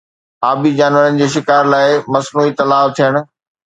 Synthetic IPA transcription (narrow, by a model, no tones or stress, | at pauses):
aːbid͡ʑaːnʋəɾənɪ̆d͡ʑeːʃɪkaːɾlaːɪmɐsnuːit̪ɐlaːʋt̪ʰijəɽ̃ʊ̆